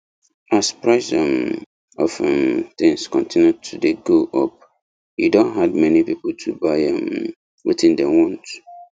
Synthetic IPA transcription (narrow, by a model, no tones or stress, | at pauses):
aspɹaɪsɔ̃m | ɔfɛ̃mt̪ĩŋskɔ̃ntʰĩnjutʰudeɡoʔɔp̚ | hḭdõnɦad̚mɛnipipoltʰubaɪãm | wḭtĩndɛ̃wɔ̃nt